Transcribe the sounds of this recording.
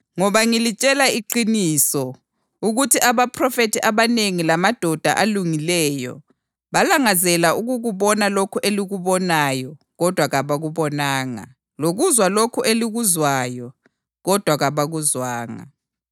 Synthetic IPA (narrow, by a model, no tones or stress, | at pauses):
ŋɔβaŋilit͡ʃʼɛlaiǃinisɔ | uɣutʰiʔaβapʰrɔfetʰiʔaβaneŋilamad̥ʱɔd̥ʱa̰ʔaluŋilɛːjɔ̰ | βalaŋazɛlauɣuɣuβɔnalokʰuʔeliɣuβɔnajɔ | ɣɔd̥ʱwaɣaβaɣuβɔnaːŋa̰ | loɣuzwalokʰuʔeliɣuzwajɔ | ɣɔd̥ʱwaɣaβaɣuzwaːŋa̰